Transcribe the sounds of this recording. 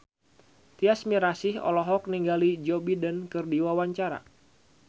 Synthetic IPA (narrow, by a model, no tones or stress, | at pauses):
t̪iasmiɾasɪhɔ̰lɔɦɔk̚niŋɡalid͡ʒɔbidankɨrdiwawaɲt͡ʃaɾa̰